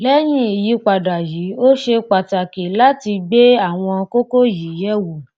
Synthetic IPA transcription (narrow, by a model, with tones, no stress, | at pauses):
lɛ˦j̃ĩ˦˨ji˨˦k͡pa˨da˨ji˨˦o˦ʃe˧k͡pa˨ta˨ke˨la˦ti˧ɡ͡be˦a˦˨w̃ɔ̃˧ko˦ko˦ji˨˦jɛ˦wo˨